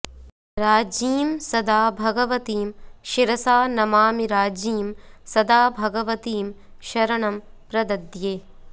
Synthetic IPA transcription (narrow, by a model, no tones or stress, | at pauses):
ɾaːd͡ʒiːmsɐd̪aːbʱɐɡɐʋɐt̪iːmʃiɾɐsaːnɐmaːmiɾaːd͡ʒiːmsɐd̪aːbʱɐɡɐʋɐt̪iːm | ʃɐɾɐɳɐm | pɾɐd̪ɐd̪jeː